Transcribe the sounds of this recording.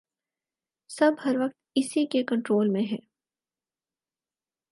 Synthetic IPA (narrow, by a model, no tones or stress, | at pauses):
sɐbɦɐɾʋɐk̚t̪ɪsikekɐ̃ɳʈɾoːlmẽɦɛː